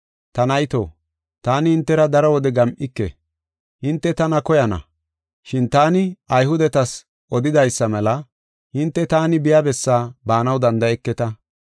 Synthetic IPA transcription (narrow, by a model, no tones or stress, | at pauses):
t̪ɐnɐjt̪o̰ː | t̪aːnɪhɪnt̪ːɛɾɐd̪ɐɾɔwɔd̪ɛɡɐmʔɪkːɛ̰ | hɪnt̪ːɛt̪ɐnɐkɔjɐnɐ̰ | ʃɪnt̪aːnɪɐjɦʊd̪ɛt̪ɐs | ʔɔd̪ɪd̪ɐjsːɐmɛlɐ | hɪnt̪ːɛt̪aːnɪbɪjabɛsːaːbaːnɐwd̪ɐnd̪ɐɛkːɛt̪ɐ